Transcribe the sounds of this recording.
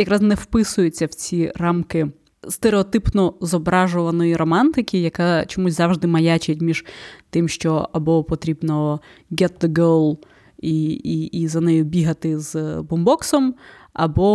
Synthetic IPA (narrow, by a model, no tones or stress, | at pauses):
jɐkɾɑsnɛwpɪsʊjʊt͡sʲːɐwt͡sʲirɑmkɪ | st̪eɾeɔt̪ɪpnɔzɔbɾɑʒʊʋɐnɔjiɾɔmɑnt̪ɪkʲɪjɐkat͡ʃɔmusʲzɑʋʒd̪ɪmɐjat͡ʃetʲmʲiʒ̥t̪ɪmʃt͡ʃɔɐbɔpɔt̪ɾʲibnɔɡɛt̪̚ðəɡolˠ | iiizɐnɛjʊbʲiɦɐt̪ɪzbɔmbɔksɔm | ɐ̰bɔ